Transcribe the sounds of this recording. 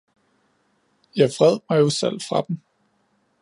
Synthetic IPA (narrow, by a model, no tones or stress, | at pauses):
jɑ̈ɪfʁɛð̞̰ˠmɑ̈ɪjo̝sel̰fʁɑ̈d̥em̩